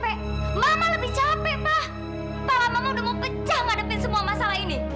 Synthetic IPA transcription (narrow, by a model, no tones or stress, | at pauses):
pɛʔ | mamaləbɪht͡ʃapɛʔpah | palamamaŋdəmoŋpət͡ʃaŋadəpɪnsəmuamasalaɦini